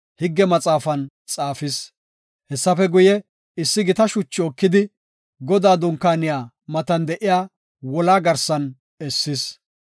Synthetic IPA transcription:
hɪɡːɛmɐt͡sʼaːfɐn | t͡sʼaːfɪs | hɛsːɐfɛɡʊjɛ | ɪsːɪɡɪt̪ɐʃʊt͡ʃːɪɔkːɪd̪ɪ | ɡɔd̪aːd̪ʊŋkːaːnɪjaː | mɐt̪ɐnd̪ɛʔɪjaː | wɔlaːɡɐɾsɐn | ɛsːɪs

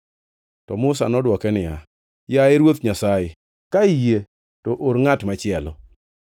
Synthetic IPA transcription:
tɔmʊsa̰nɔdwɔkɛnɪja | jaeɾwot̪ɲasajɪ | kaije | tɔʔoɾŋatmat͡ʃɪɛlɔ̰

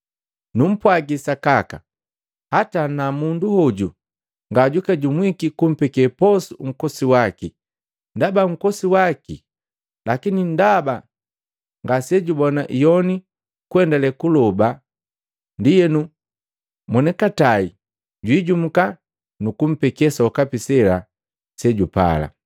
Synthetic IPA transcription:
num̩pwaɡisakaka̰ | hatanamunduhɔɟṵ | ŋɡaɟukaɟumwikikum̩pɛkɛpɔsuŋ̩kɔsiwaki | ndabaŋ̩kɔsiwakḭ | lakinindaba | ŋɡasɛɟubɔnaʔijɔni | kuɛndalɛkulɔba | ndijɛnu | mwɔnɛkatai | ɟwiɟum̩ka | nukum̩pɛkɛsaukapisɛla | sɛɟupa̰la̰

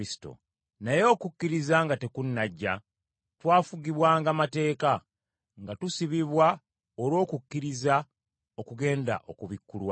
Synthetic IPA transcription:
isi̥to̰ | najo̞ːkukːiɾizaŋɡate̞kunːaɟːa | twaːfuɡiβwaːŋɡamate̞ːka | ŋɡatusiβiβwa | oɾwo̞ːkukːiɾiza | o̞kuɡe̞ːnda̰ʔo̞̰kuβikːulwa

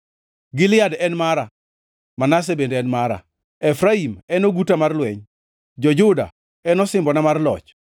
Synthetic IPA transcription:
ɡɪlɪadɛnmaɾa | manas̬ebendeɛnmaɾa̰ | ɛfɾaimɛnoɡutamarlwɛɲ | d͡ʒɔd͡ʒʊda̰ | ɛnɔsɪmbɔnamarlɔ̰t͡ʃ

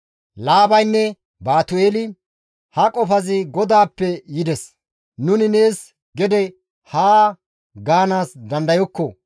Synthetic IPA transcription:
laːbɐjnːɛ | baːt̪ʊeːlɪ | hɐkʼɔfɐzɪɡɔd̪aːpːɛjɪd̪ɛs | nʊnɪne̞ːs | ɡɛd̪ɛ | haː | ɡaːnaːsd̪ɐnd̪ɐjɔkːɔ

